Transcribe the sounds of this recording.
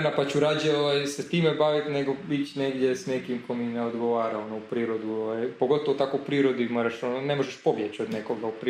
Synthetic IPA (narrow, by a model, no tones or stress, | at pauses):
napat͡ɕuɾad͡ʑeoʋajset̪iːmebaʋit̪neɡoit͡ɕneɡd̪jesnekimkomineod̪ɡoʋaːɾaonoupɾiːɾod̪uoʋajpoɡo̞t̪oʋot̪akoupɾiːɾod̪uimoːɾaʃononemoʒeʃpo̞bjet͡ɕod̪nekoɡaupɾi